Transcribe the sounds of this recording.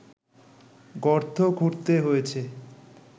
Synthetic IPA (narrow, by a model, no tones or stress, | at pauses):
ɡɔɾt̪ʰoɡʱuɾt̪eɦoet͡ɕʰe